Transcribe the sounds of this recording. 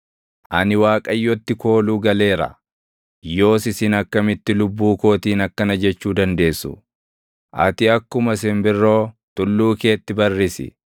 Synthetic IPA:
ʔɐnɪwaːkʼɐjːɔt̪ːɪko̞ːluːɡɐle̞ːɾɐ̰ | jo̞ːsɪsɪnɐkːɐmɪt̪ːɪlʊbːuːko̞ːt̪iːnɐkːɐnɐd͡ʒɛt͡ʃːuːd̪ɐnd̪e̞ːsːʊ̰ | ʔɐ̰t̪ɪɐkːʊmɐs̬ɪmbɪrːo̞ːt̪ʊlːuːke̞ːt̪ːɪbɐrːɪsɪ̰

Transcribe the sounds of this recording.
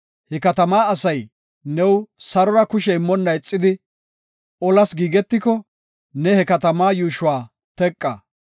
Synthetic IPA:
hɛkɐt̪ɐmaːɐsɐj | nɛwsɐɾɔɾɐkʊʃɛɪmːɔnːɐɪt͡sʼːɪd̪ɪ | ɔlɐsɡiːɡɛt̪ːɪkɔ | nɛhɛkɐt̪ɐmaːjuːʃʊwaː | t̪ɛkʼːɐ̰

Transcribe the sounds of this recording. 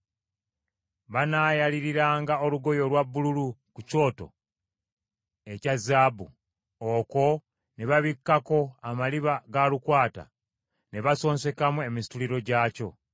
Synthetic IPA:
βanaːjaliɾiɾaːŋɡao̞luɡo̞jo̞lwabːululukuco̞ːto̞̰ | e̞cazaːbu | oko̞ | neβaβikːako̞amaliβaɡalukwaːta̰ | ne̞βaso̞ːnse̞kamue̞misi̥tuliɾo̞ɟaːco̞̰

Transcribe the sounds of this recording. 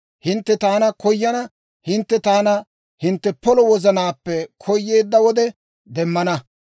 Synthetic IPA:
hɪnt̪ːɛt̪aːnɐkɔjːɐnɐ | hɪnt̪ːɛt̪aːnɐ | hɪnt̪ːɛpɔlɔwɔzɐnaːpːɛkʰɔjːe̞ːd̪ːɐwɔd̪ɛ | d̪ɛmːɐnɐ

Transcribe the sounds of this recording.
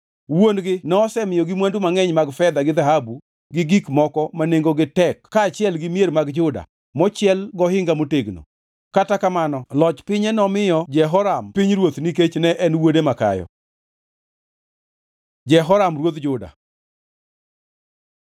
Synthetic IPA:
wonɡɪnɔːsɛmɪjɔɡɪmwandumaŋɛɲmaɡfɛd̪aɡɪd̪aɦabu | ɡɪɡikmɔkɔmaneŋɡoɡɪtɛkkːaːt͡ʃɪɛlɡɪmjeɾmaɡd͡ʒʊda̰ | mɔt͡ʃɪɛlɡɔhɪŋɡamoteɡno̰ | katakamanɔlɔt͡ʃpɪɲɛnɔmɪjɔd͡ʒɛɦɔɾampiɲɾwot̪nik̬et͡ʃnɛʔɛnwodemaka̰jɔ̰ | d͡ʒɛɦɔɾamrwot̪d͡ʒʊda̰

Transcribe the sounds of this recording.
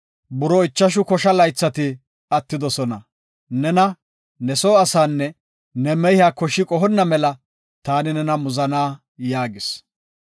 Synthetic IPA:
bʊɾɔɪt͡ʃːɐʃ̬ʊkɔʃɐlɐjt͡sːɐt̪ɪ | ɐt̪ːɪd̪ɔsɔnɐ̰ | nɛnɐ | nɛsɔːɐsaːnːɛ | nɛmɛjɪaːkɔʃːɪkʼɔɦɔnːɐmɛlɐ | t̪aːnɪnɛnɐmʊzɐnaː | jaːɡɪs

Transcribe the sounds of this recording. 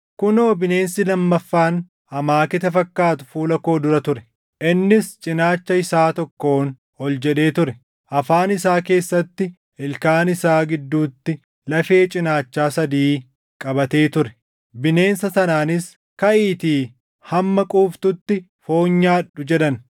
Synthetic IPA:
kʊnoːbɪne̞ːnsɪlɐmːɐfːaːn | ɐmaːkɪt̪ɐfɐkːaːt̪ʊ̥fuːlɐko̞ːd̪ʊɾɐt̪ʊɾɛ | ʔɪnːɪst͡ʃʼɪnaːt͡ʃːɐɪsaːt̪ɔkːo̞ːn | ɔld͡ʒɛᶑe̞ːt̪ʊɾɛ | ʔɐfaːnɪsaːke̞ːsːɐt̪ːɪ | ɪlkaːnɪsaːɡɪd̪ːuːt̪ːɪ | lɐfe̞ːt͡ʃʼɪnaːt͡ʃːaːsɐd̪iː | kʼɐbɐt̪e̞ːt̪ʊɾɛ | bɪne̞ːnsɐsɐnaːnɪs | kɐʔiːt̪iː | hɐmːɐkʼuːft̪ʊt̪ːɪ | fo̞ːɲːaːᶑʊd͡ʒɛᶑɐn

